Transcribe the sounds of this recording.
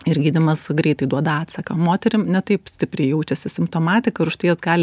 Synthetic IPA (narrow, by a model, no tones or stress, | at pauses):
ɪɾɡʲiːd̪ʲɪmɐsɡɾʲɛɪt̪ɐɪd̪uɔd̪ɐɑːt̪sɐkɐmoːt̪ʲɛɾʲɪmnʲɛt̪ɐɪpsʲt̪ʲɪpʲɾʲɛɪjɛʊt͡ʃʲɛsʲɪsʲɪmpt̪oːmɑːt̪ʲɪkɐɪɾʊʃt̪ɐɪjosɡɑːlʲ